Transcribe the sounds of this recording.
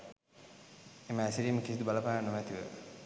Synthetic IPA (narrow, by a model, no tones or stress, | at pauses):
eməæsiɾiːməkisid̪ubaləpaːnumæt̪iʋə̰